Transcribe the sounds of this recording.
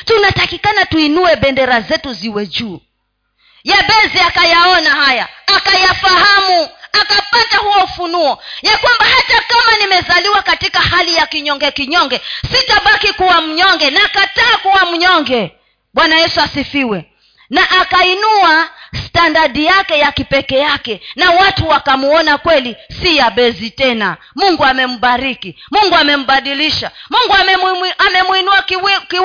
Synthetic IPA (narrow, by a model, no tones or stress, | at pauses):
tunatakikanatuinuɛɓɛndɛɾazɛtuziwɛd͡ʒuː | jaɓɛziakajaɔnahajaːkajafahamuakapatahuwɔufunuɔjakwambahatakamanimɛzaliwakatikahalijakiɲɔŋɡɛkiɲɔŋɡɛsitaɓakikuwam̩ɲɔŋɡɛnaːkataːkuwam̩ɲɔŋɡɛ | ɓwanajɛsuasifiwɛ | naʔakainuastandaɗijakɛjakipɛkɛjakɛnawatuwakamuɔnakwɛlisijaɓɛzitɛna̰ | muŋɡuamɛm̩ɓaɾiki | muŋɡuamɛm̩ɓaɗiliʃamuŋɡuaɛamɛmwinuaki